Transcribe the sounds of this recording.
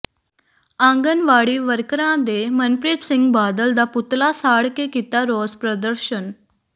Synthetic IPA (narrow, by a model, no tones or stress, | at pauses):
ãŋɡənʋaɽiːʋəɾkɾãd̪emənpɾeʈsiŋɡbad̪əld̪aput̪lasaɽkekit̪aɾɔspɾəd̪əɾɕən